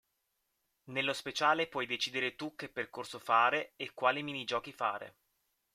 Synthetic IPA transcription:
nelːospet͡ʃaːlepwɔjd̪et͡ʃiːd̪eɾet̪uk̟ːepːerkorsofaːɾeːkːwaːliminid͡ʒɔːk̟ifaːɾḛ

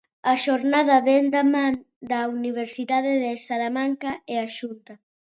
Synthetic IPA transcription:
aʃoɾnaðaβɛnd̪aman | d̪auniβ̞eɾsiðaðeðesalamaŋkaeaʃunt̪a

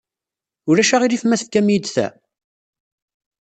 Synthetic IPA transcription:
ʊɾæʃaʁiɾifmæθfkːæmjəd̪θæ̰

